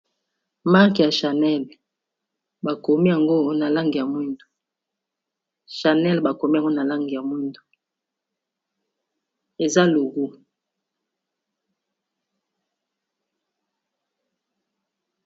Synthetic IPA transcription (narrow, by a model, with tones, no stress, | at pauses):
ma˦kja˨ʃa˨nɛ˦˨l | ba˨ko˨mi˦ja˨ŋɡo˦na˨la˦ŋɡi˨ja˨mwi˦ndo̥˨ | ʃa˨nɛ˦lba˨ko˨mi˦ja˨ŋɡo˦na˨la˦ŋɡi˨ja˨mwi˦ndo˨ | e˨za˦lo˨ɡu˦